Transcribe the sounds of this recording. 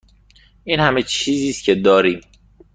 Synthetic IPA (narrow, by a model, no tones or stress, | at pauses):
ʔiːnhæmet͡ʃʰiːziːst̪̚cʲʰe̞d̪ɒːɾiːm